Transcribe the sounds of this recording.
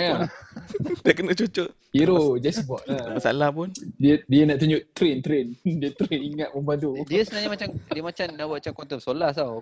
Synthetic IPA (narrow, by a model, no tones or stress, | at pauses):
a | diakənat͡ʃot͡ʃʊʔ | iɾod͡ʒasibɔʔ̚namasa̰lahpʊndədiənaʔt̪uɲʊʔt̪ːɾent̪ɾendiət̪ɾeniŋat̪̚məmpadodiəsənaɲəmat͡ʃamdiəmat͡ʃamnawaat͡ʃamkɔnt̪əpsolaht̪aw